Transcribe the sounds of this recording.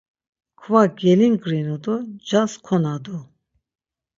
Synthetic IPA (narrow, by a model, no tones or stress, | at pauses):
kʰvaɡɛliŋɡɾinud̪ɔd͡ʒaskʰɔnad̪u